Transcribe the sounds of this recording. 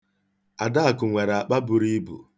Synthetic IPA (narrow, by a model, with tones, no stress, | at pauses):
a˨da˦a˨kʊ˨ŋʷe˨ɾa˨k͡pa˦bʊ˨ɾi˦bṵ˨